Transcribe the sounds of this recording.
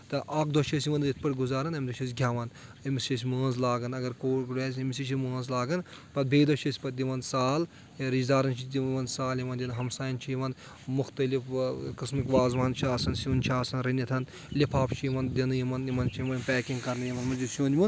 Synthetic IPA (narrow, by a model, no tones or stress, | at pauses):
t̪ɐʔaːkd̪oʃʰɐsjimɐnit̪̚ʰpɐʈɡuzaːɾɐnɐmʲd̪oʃʰɐsʲɡʱʲjaʋɐnɐmist͡ʃʰɐs̬ʲmɐːnzlaːɡɐnɐɡɐɾkoːkɽeːs̬ʲɐmisit͡ʃʰimoːnzlaːɡɐnpɐt̪̚bʱeːd̪ɐʃʰɐsʲpɐt̪̚d̪ʲiʋɐnsaːl | ɾid͡ʒd̪aːɾɐnt͡ʃʰid̪ʲimɐnsaːljimɐnd̪ʲinɦɐmsaːjɐnt͡ʃʰijimɐn | mʊxt̪ɐlifkɨsmikʋaːzʋaːnt͡ʃʰaːsɐnsnʲt͡ʃʰaːsɐnɾɐniɐt̪ʰɐn | lipʰaːpt͡ʃʰijimɐnd̪ʲinɨjimɐnjimɐnt͡ʃʰiimɐnpɛːkiŋɡkɐɾnɨjimɐnmɐnd͡ʒusuːnʲimɐn